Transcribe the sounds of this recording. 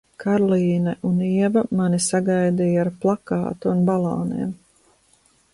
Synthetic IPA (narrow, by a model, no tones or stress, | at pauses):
kʰaɾlˠiːnɛʔuniɛvamanisaɡajd̪ijaaːɾplˠakɑ̰ːt̪uunbalˠɑ̰ːnḭɛm